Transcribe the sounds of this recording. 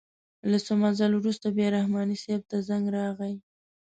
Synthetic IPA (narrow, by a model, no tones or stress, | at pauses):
lasomazalwɾust̪abjeɾahmɑniseb̚t̪azaŋɡɾɑɣaj